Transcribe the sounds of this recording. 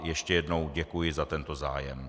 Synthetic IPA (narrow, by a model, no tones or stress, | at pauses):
jɛʃcɛjɛdno̞wɟɛkujɪzat̪ɛnt̪o̞zaːjɛm